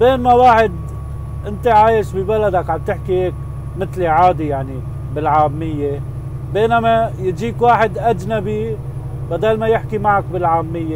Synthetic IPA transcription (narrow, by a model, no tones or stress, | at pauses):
beːnmawaːħɪd̪ | ʔɪnt̪eʕaːjɪʃbibalad̪akʕab̚t̪ɪħkiheːk | mɪt̪liʕaːd̪ijaʕni | bɪlʕaːmːɪjːe | beːnamajɪt̪d͡ʒiːkwaːħɪd̪ʔad͡ʒnabi | bad̪aːlmajɪħkimaʕak̚bɪlʕaːmːɪjːe